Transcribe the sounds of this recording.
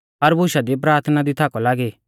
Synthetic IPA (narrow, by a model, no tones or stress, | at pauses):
ɐɾbʱʊʃad̪ip̬ɾaːɾt̪ʰnad̪it̪ʰaːkɔlaːɡi